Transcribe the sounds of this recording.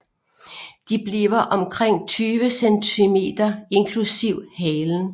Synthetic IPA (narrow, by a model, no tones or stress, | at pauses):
d̥ib̥liːʊɐʔɒ̽mkʰʁeŋ̰t͡sʰyːʋəsent͡sʰime̝̰d̥ɐe̝nkʰlusiʊ̰hɛːln̩